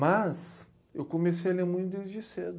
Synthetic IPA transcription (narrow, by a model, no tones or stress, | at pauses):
mɐs | ḛwkomesejɐlemũj̃t̪ʊd̪ejzd͡ʒɪsed̪ʊ